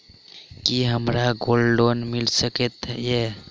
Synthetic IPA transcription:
kiɦəmɾaɡolɖonmilsəket̪je

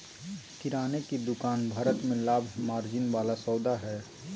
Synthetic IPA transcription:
k̪ɪɾaːnekid̪ʊkaːnbʱaːɾət̪mẽlaːbʱmaːɾd͡ʒɪnʋaːlasɔːd̪aɦɛː

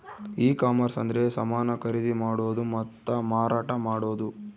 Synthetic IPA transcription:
iːkaːmɐɾsɐnd̪ɐɾe̞sɐmaːnɐkʰɐɾid̪imaːɽoːd̪umɐt̪ːɐmaːɾaːʈɐmaːɽo̞ːd̪u

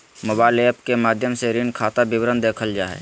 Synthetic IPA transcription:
moːbaːɪleːpkemaːd̪ʱjəmseɾɪnkʰaːt̪abɪwɾənd̪eːkʰəld͡ʒaːɦɛ̰ː

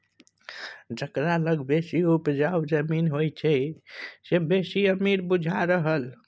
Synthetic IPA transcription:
d͡ʒəkɾaləɡbesiupd͡ʒawd͡ʒəminɦojt͡ʃʰɛ | sebesiəmiɾbud͡ʒʱaɾəɦəl

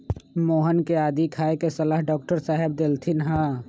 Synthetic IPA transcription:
moːɦənkeaːd̪ikʰaːekesɐlaːɦɖɔːk̚ʈəɾsaːɦɪb̚d̪elt̪ʰɪnɦãː

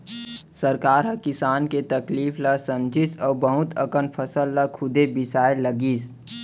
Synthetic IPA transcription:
səɾkaːɾɦɐkɪsaːnket̪ɐkliːflasɐ̃md͡ʒʱɪsɔːbəɦʊt̪ə̰kənpʰəsəlːakʰʊd̪ebɪsaːɪlːəɡiːs

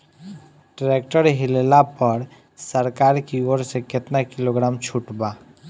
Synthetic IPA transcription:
ʈɾeːk̚ʈəɾɦɪlelapəɾ | səɾkaːɾkioːɾsekɪt̪nakɪloːɡɾaːmt͡ʃʰuʈbaː

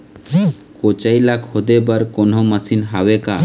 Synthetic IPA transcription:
kot͡ʃajlakhod̪ebaɾkonomasinɦaweka

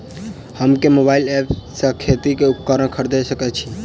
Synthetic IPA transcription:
həmkemobailepʰsãkʰet̪ikeup̚kəɾəɽkʰəɾd̪ɛsəkɛt͡ʃʰi

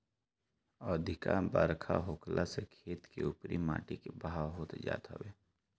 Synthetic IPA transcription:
ɔːd̪ʱɪkabəɾkʰa̰ɦoːklʔasekʰeːt̪keʊpɾima̰ːʈikebəɦawɦoːt̪d͡ʒa̰ːt̪a̰ʋeː

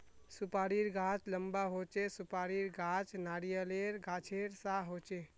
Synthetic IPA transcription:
supaːɾiɾɡʱaːt͡ʃləmbaɦot͡ʃesʊpaːɾiɾɡʱaːt͡ʃnaːɾijəleɾɡʱaːt͡ʃʰeɾsaɦot͡ʃe

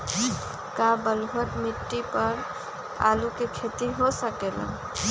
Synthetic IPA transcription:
kabəluɦət̪miʈːipəɾ | a̰lukekʰet̪iɦosəkela̰

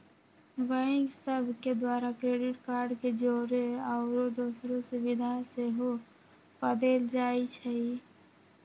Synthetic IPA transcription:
ʋəɪ̃ksəbʱked̪waːɾakɾeːɖɪʈkaːɾɖked͡ʒoːɾeəʊɾod̪oːsɾõsʊbɪd̪ʱaseɦo | pəd̪eːld͡ʒaːit͡ʃʰɛi

